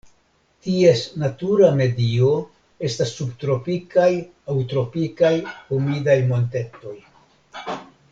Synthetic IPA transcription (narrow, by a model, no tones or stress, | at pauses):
tie̞snatuɾame̞dio̞ | e̞stasːubtɾo̞pikaj | awtɾo̞pikajhumidajmo̞nte̞to̞j